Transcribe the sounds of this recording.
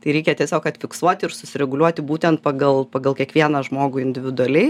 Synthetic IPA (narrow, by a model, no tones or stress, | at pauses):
t̪ɐɪɾʲɛɪkʲɛt̪ʲiɛsʲoːkɐt̪ʲfʲɪksuɔt̪ʲɪɪɾsʊsʲɪɾʲɛɡʊlʲuɔt̪ʲɪbuːt̪ʲɛnt̪̚pɐɡɐlˠpɐɡɐlˠkʲɛkʋʲiɛnɐʒmoːɡʊːɪnʲd̪ʲɪʋʲɪd̪ʊɐlʲɛɪ